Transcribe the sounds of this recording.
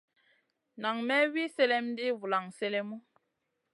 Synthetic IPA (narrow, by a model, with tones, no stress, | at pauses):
na˨ŋmɛ˦wi˦sɛ˦lɛ˦mdi˦vu˨la˨ŋsɛ˦lɛ˦mu˦